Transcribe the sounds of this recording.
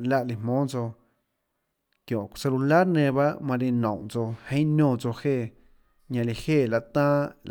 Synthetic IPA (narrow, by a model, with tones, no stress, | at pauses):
la˧ʔli˧hmõː˦t͡so˧ | kjõ˨se˧lu˧la˦ɾnẽ˧ba˦ʔmã˧li˧nɔ̰̃˨t͡so˧hẽ˧˦nõː˦˧˨t͡so˧heː˧˨ | ɲã˧li˧heː˧˨la˧ʔt̪ãː˦l